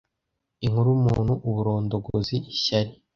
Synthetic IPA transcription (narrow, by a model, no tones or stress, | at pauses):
iŋhuɾumṵːn̥huʔuβuɾo̞ːndo̞ɡoziʔiʃaɾi